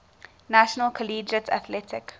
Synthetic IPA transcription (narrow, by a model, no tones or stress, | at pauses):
naʃɔnəlkʰɔliːd͡ʒətʰa̰θlɛtɪk